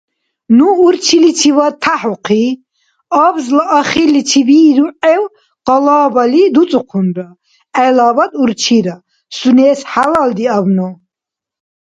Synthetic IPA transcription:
nuːɾt͡ʃʰilit͡ʃʰivat̪ʰːaħuqʰi | abzlaʔaχilːit͡ʃʰibid̪uʔɛw | qɑlaːbalid̪ut͡sʼuqʰunɾa | ɛlaːbad̪uɾt͡ʃʰiɾa | sunɛːsħalald̪iavnɔ

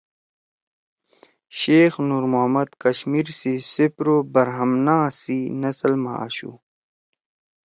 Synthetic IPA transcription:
ɕeːxnuːɾmoɦmɐd̪kɐɕmiːɾsisipɾobɐɾɦɐmnaːsinɐslma̰a̰ɕṵ

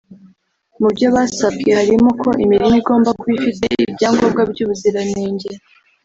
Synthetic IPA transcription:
mubɟo̞βasabɡe̞haɾimo̞kʰo̞ʔimiɾimiɡo̞ːmbakwifite̞ḭbɟaːŋɡob̚ɡab̚ɟuːβuziɾaneːɲɟeɾ

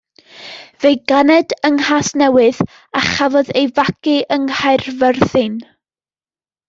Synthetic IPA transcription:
vejɡanɛdəŋhasnɛwɨð | aχavɔðejvakɨʔəŋhajrvərθɨn

